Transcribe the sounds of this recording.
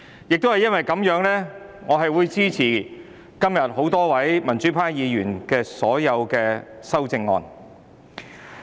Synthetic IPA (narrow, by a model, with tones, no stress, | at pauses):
jɪ˨k̚t̪o˥whɐ˨jɐ˥nwʋɐ˨jkɐ˨˥mjœː˨˥ŋlɛː˥ | ŋɔː˨˧ɦɐ˨jwuː˨˧jt͡siː˥t͡sʰiː˨˩ | kɐ˥mjɐ˨t̚ɦo˨˥wt̪ɔː˥wɐ˨˥jmɐ˨˩nt͡ʃyː˨˥pʰaː˥jjiː˨˧jyː˨˩nkɛː˧sɔ̰ː˨˥jɐ˨˧wkɛː˧sɐ˥wt͡sɪ˧ŋːɔ̰ː˨˧n